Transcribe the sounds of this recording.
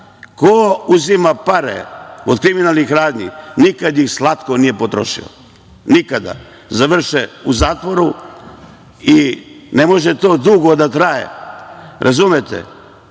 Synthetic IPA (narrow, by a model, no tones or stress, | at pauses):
kouzimapaɾḛod̪kɾiminaːlˠnixɾaːd̪ɲḭnikad̪jixslˠat̪ko̞nije̞pot̪ɾo̞̰ʃḭo̰ | nikad̪a̰ | zaʋr̩ʃeuzaːt̪ʋo̞ɾu | ine̞mo̞ʒet̪o̞ːd̪uɡod̪at̪ɾajḛ | ɾʔazumet̪ḛ